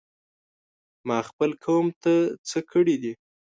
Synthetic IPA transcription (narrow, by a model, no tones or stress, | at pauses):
mɑxpəlkʰawəmt̪ət͡səkʰəɽid̪i